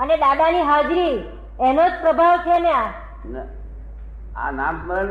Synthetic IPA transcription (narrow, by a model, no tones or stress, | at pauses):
əneɗaɡaniɦad͡ʑɾi | ɛnot͡spɾəbʱaʋkʰelja | n | a̰nammən